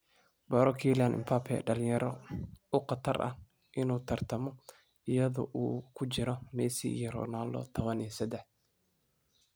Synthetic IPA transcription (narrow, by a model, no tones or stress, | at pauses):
bɐɾɔkʰilanʔɪ̰mpʰapʰɛ̰ɖɐlɪjɐɾɔʊqɑt̪ʰɐrʔɐ̰h | ʔɪnuːt̪ʰɐrt̪ʰɐmɔ | ɪjɐðʊ̰ʔuːkʰʊt͡ʃɪɾɔmɛsḭijɔɾɔ̰ːnaːlːɔ̰t̪ʰɔβɐnisɐd̪ɛħ